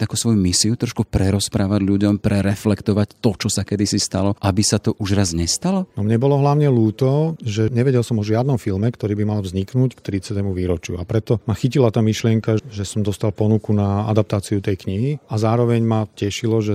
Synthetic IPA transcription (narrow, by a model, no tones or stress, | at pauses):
t̪aːkusʋɔjumisiut̪ɾɔʃkupɾɛɾɔspɾaːʋaɟʎuɟɔmpɾʔɛɾɛflɛkt̪ɔʋact̪ɔt͡ʃɔsakɛd̪isist̪alɔʔabisat̪ɔʔuʒɾazɲɛst̪alɔnɔmɲɛbɔlɔɦlaʊɲɛluːt̪ɔʒɛɲɛʋɛɟɛlsɔmɔʒɪad̪nɔmfilmɛkt̪ɔɾiːbimalvzɲiknuckt̪ɾit͡sɪat̪ɛmuʋiːɾɔt͡ʃɪuapɾɛt̪ɔmaxicilat̪aːmiʃlɪɛŋkaʒɛsɔmd̪ɔst̪alpɔnukunaa̰d̪ap̚t̪aːt͡siut̪ɛjkɲiɦiazaːɾɔʋɛɲmacɛʃilɔʒɛ